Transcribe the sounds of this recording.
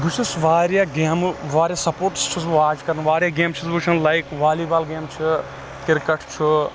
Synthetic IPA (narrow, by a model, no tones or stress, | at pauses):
ɡut͡ʃʰusʋaːɾjaɡeːmʋaːɾjasɐpoːɾʈst͡ʃʰusʋoaːd͡ʒkɐɾnʋaːɾjaɡeːmt͡ʃʰusbut͡ʃʰɐnlajkʋaːliːbaːlɡeːmt͡ʃʰi | kɪɾkɐʈʰt͡ʃʰu